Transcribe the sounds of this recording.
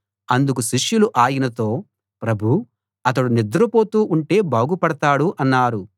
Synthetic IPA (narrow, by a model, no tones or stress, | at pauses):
ɐnd̪ukuʃiʂjuluʔaːjinɐt̪o̞ː | pɾɐbʱu | ɐt̪̬ɐɽunid̪ɐɾɐpo̞ːt̪uːʔuɳʈe̞ːbaːɡupɐɽɐt̪aːɽuʔɐnːaːɾu